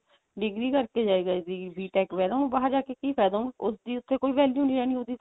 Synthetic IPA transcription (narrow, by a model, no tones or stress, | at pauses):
ɖɪɡɾiːkəɾkeːd͡ʒaːeɡaed̪iːbiːʈɛːkʋɛːd̪aːũːbaːɦəɾd͡ʒaːkeːkiːpʰɛːd̪aũːʊsd̪iːʊt̪ʰːeːkoːiːʋɛːlijũːniːɾɛːñiːɦoːd̪iːt̪ː